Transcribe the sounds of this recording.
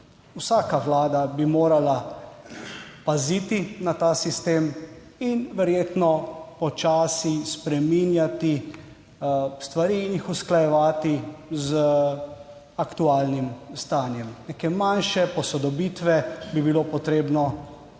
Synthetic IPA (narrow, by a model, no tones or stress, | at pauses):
usaːkaʋlaːd̪abimoːɾala | paziːt̪inat̪aːsist̪eːm | inʋɛɾjeːt̪nɔpɔt͡ʃaːsispɾɛminjat̪i | st̪ʋaɾiːnixusklajɛʋaːt̪iz | akt̪uaːlnimst̪aːnjɛmnɛkemanʃɛpɔsɔd̪ɔbit̪ʋɛbibiloːpɔt̪ɾeːbnɔ